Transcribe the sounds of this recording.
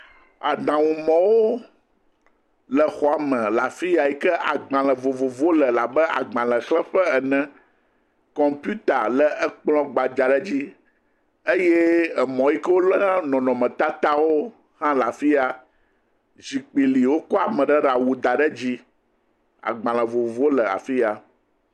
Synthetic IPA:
a̰˨d̪ã˨wũ˨mɔ̃˨wo˦ | lə˨xɔ˨a˨mɛ̃˨la˨fi˦ja˨ji˦kɛ˦ʔa̰˨ɡ͡bã˨lɛ̃˨vo˨vo˨vo˦lə˨la˨bə˦a̰˨ɡ͡bã˨lə̃˨xlɛ˦ɸɛ˦ɛ˨nɛ̃˦ | kɔ̃˨mpju˦t̪a˨lə˨ɛ˦k͡plɔ̃˦ɡ͡ba˨d͡ʒa˨ɖɛ˦d͡ʑi˦ | e˦jɛ˦ɛ˨mɔ̃˨ji˦kə˦wo˦lɔ˦nã˦nɔ̃˨nɔ̃˨mɛ̃˨t̪a˦t̪a˦wo˦ | hã˦la˨fi˦a˨ | zi˨k͡pi˨li˨wo˦kɔ˦a˨mɛ̃˨ɖə˦ɖa˨wu˨d̪a˨ɖə˦d͡ʑi˦ | a̰˨ɡ͡bã˨l̃ə̃˨vo˨vo˦lə˨a̰˨fi˦ja˨

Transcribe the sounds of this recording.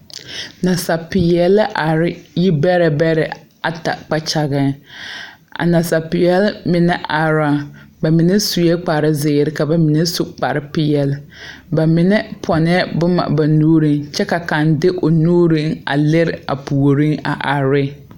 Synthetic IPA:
na˨sa˨pɪ˨jɛ˨la˦ʔa˨ɾɪ˦ji˦bɛ˦ɾɛ˨bɛ˦ɾɛ̰˨ | a̰˨ta̰˨k͡pa˦t͡ʃa˨ɣɛ˦ | a̰˨na˨sa˨pɪ˨jɛ˦lmɪ˨nɛ˦ʔa˨ɾa˦ba˨mɪ˨nɛ˦su˨jɛ˦k͡pa˨ɾɪ˦zɪː˨ɾɪ˦ka˨ba˨mɪ˨nɛ˦sʊ˦k͡pa˨ɾɪ˦pɪ˦jɛ˨l | ba˨mɪ˨nɛ˦pʰɔ˨nɛ˦bʊ˦ma̰˨ba˨nuː˦ɾi˦ŋt͡ʃɛ˦ka˨ka˨ndɪ˦ʔo˨nuː˦ɾi˦ŋa̰˨lɪ˦ɾɪ˨a̰˨pu˨o˨ɾi˦ŋa̰˨ʔa˨ɾɪ˦

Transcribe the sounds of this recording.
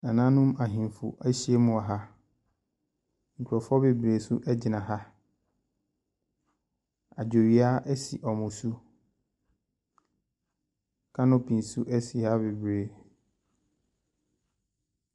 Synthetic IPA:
a˨nã˦nʊ̃˦ma˨ɦĩ˨m˨fṵ˨ʔɛ˦ɕi˦e˦mʊ̃˨a˨ɦa˦ | ŋ̩˨kʰu˨ɾɔ˨fɔ˦be˨bɾeː˨su˦ʔɛ˦d͡ʑɪ˨nã˨ɦa˦ | a˨d͡ʑᶣo˨ɥi˨a˦ʔɛ˦sḭ˨ʔɔ˨mʊ̃˨su˦ | kʰã˦nʊ̃˦pʰĩ˨n˨su˦ʔɛ˦si˨ha˦be˨bɾeː˨

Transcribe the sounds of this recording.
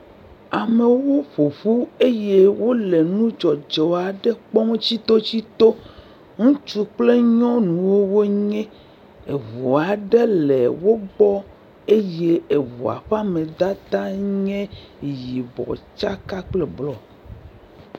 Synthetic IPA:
a˨me˨wo˦ɸo˨ɸu˦e˦je˦wo˦le˨nũ˦d͡ʒɔ˨d͡ʒɔ˨a˨ɖɛ˦k͡pɔ˦ŋ˦t͡ɕi˦t̪o˦t͡ɕi˦t̪o˦ | ŋũ˦t͡ʃu˦k͡ple˦ɲɔ̃˦nũ˨wo˦wo˦ɲɛ̃˦ | e˨βo˨a˨ɖɛ˦le˨wo˦ɡ͡bɔ˦ | e˦je˦e˨βo̰˨a̰˨ɸa˦mẽ˨d̪a˦t̪a˦ɲɛ̃˦ | ji˨bɔ̰˨t͡ʃa˦ka˦k͡ple˨blɔ˨

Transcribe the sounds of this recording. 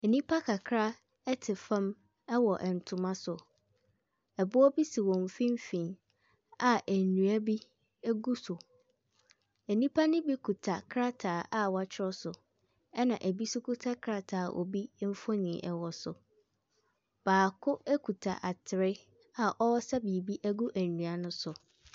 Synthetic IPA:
ɛ˨nĩ˦pʰa˦kʰa˨kʰɾa˦ | ɛ˦tʰɪ˨fã˦m | ɛ˦wɔ˨ʔɛ˨n̩˨tʰʊ̃˨mã˦sʊ˨ | ɛ˨bʊ˦ɔ˦bi˦si˨wɔ̃˨m˨fĩ˦m˦fĩ˨ | a˨ʔæ˨nũ˨æ˦bi˦ | ɛ˦ɡu˦sʊ˨ | æ˨nĩ˦pʰa˦nʊ̃˦bi˦kʰu˨tʰa˨kʰɾa˦tʰaː˨ʔa˨wa˨t͡ɕʰɪ˦ɔ˦sʊ˨ | ɛ˦nã˨ʔæ˨bi˦sʊ˦kʰu˦tʰa˦kʰɾa˨tʰaː˨ʔɔ̰˨bi˦m̩˦fɔ˦nĩ˨˦ʔɛ˦wɔ˨sʊ˨ | b̥aː˨kʰʊ˦ɛ˦kʰu˨tʰa̰˨ʔa˨tʰɪ˨ɾɪ˦ | a˨ʔɔ˦wɔ˦sa˦bi˨bi˦ʔæ˦ɡu˦ʔæ˨nũ˨a˦nʊ̃˦sʊ˨

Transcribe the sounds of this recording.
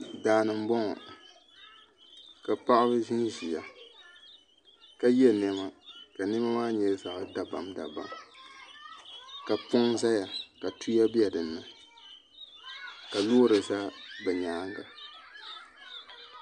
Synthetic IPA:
daː˨nɨ˨m̩˦bɔ˦ŋɔ̰˨ | ka˨pa˦ʔa˦bɨ˦ʒi˦ŋ˦ʒi˨ja˨ | ka˦jɛ˦nɛ˦ma˦ka˨nɪ˦ma˦maː˦ɲɛ˦za˨ʔɨ˦da˨ba˨mda̰˨ba̰˨m | ka˨pʊ˦ŋza˦ja˨ka˨tʰu˦ja˦bi˦a˨dɨ˨nːɨ˦ | ka˨loː˦ɾɨ˨sa˦bɛ˨ɲaː˨˦ŋ˦ɡa˨

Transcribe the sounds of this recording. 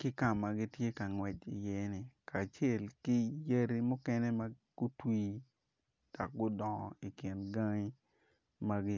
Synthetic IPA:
kɪ˦ka˨mːa˨ɡi˦tje˦ka˨ŋwɛ˨t͡ʃi˨jɛ˦nɪ˨kʰa˨t͡ʃe˦˨lkɪ˦je˦ɾi˦mʊ˦kɛ˦nɛ˦ma˦ɡ̥ʊ˦twiː˦ | d̥ɔ˨k̚ɡʊ˦dɔ˨ŋɔ̰˨i˨kɪ˨nɡa˦ŋi˦ | ma˦ɡɪ˦

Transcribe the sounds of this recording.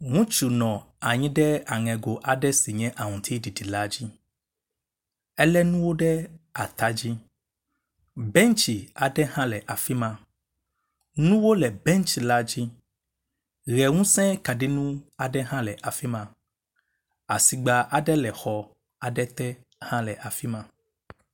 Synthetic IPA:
ŋũ˦t͡ʃu˨nɔ̃˨ | a˨ɲĩ˦ɖɛ˦a˨ŋɛ̃˨ɡo˨ʔa˨ɖɛ˦si˨ɲɛ̃˦ʔa˨ŋũ˨t̪ʰi˦ɖi˨di˨la˦d͡ʑi˦ | ɛ˦lɛ˦nũ˦wo˦ɖɛ˦a˨t̪a˦d͡ʑi˦ | bɛ̃˦ŋ˦t͡ʃi˨a˨ɖɛ˦ɦã˦lɛ˨ʔa˨fi˦mã˦ | nũ˦wo˦lɛ˨bɛ˦n˦t͡ʃi˨la˦d͡ʑi˦ | ɣɛ˨ŋũ˦sɛ̃˦ka˨ɖe˦nũ˦a˨ɖɛ˦ɦã˦lɛ˨ʔa˨fi˦mã˦ | a˨si˨ɡ͡ba˨ʔa˨ɖɛ˦lɛ˨xɔ˨ | a˨ɖɛ˦t̪ɛ˦ | hã˦lɛ˨ʔa˨fi˦mã˦

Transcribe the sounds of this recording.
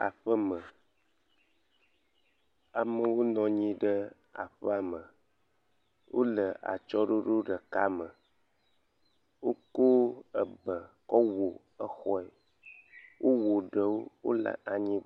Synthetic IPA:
a̰˨ɸə˦mə˨ | a˨mə˨wo˦nɔ̃˨ɲĩ˦ɖə˦ | a̰˨ɸə˦a˨mə̃˨ | wʔo˦lə˨a̰˨t͡ʃɔ˦ɖo˦ɖo˦ɖə˨ka˦mə˨ | wo˦ko˦ə˨bə˨kɔ˦wo˨ | ə˦xɔ˦ɛ˨ | wʔo˦wo˨ɖə˨wo˦wo̰˦lə̰˨ʔa˨ɲĩ˦

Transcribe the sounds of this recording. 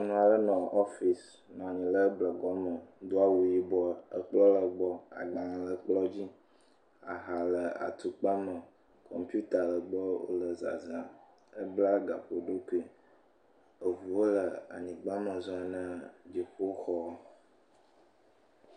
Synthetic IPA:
a˨nũ˨a˨ɖə˦nɔ̃˨ʔɔ˦fi˨s | nɔ̃˨a˨ɲĩ˨lə˦blə˨ɡɔ˦mə˨d̪o˦a˦wu˨ji˦bɔ˦ə˦k͡plɔ˦lə˨ɡ͡bɔ˦a̰˨ɡ͡bã˨lə˨k͡plɔ˦d͡ʑi˦ | a˨ɦa˨lə˨a̰˨t̪u˨k͡pa˦mə˨ | kʰɔ̰˨mpju˦t̪a˨lə˨ɡ͡bɔ˦wo̰˦lə˨za̰˨za˨ | ə˦bla˦ɡa˨ɸo˨ɖo˦ku˦i˨ | ə˨vu˨wo˦lə˨a̰˨ɲĩ˨ɡ͡ba˦mə˨zɔ˦a˨nə̃˦d͡ʑi˨ɸo˦xɔ˦

